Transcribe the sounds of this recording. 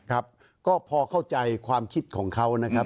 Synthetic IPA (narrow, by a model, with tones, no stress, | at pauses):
kʰa˦˥p̚ | kɔː˥˩pʰɔː˧kʰa˥˩wt͡ɕa˧jkʰwaː˧mkʰi˦˥t̪̚kʰɔː˩˦ŋkʰa˦˥wna˦˥kʰa˦˥